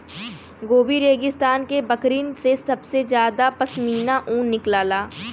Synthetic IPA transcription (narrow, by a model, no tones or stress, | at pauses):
ɡoːbiɾeːɡɪst̪aːnkebəkɾiːnsesɐbsed͡ʒjaːd̪apɐsmiːnaʔũːnːɪklaːlaː